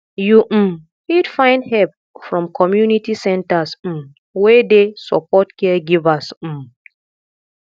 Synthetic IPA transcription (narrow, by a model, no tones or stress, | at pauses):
jum̩ | hidfãɪ̃ndhɛp | fɹɔ̃mkʰɔmjunitisɛ̃ntas̩ | wedesɔ̰pɔtkɛɡivas̩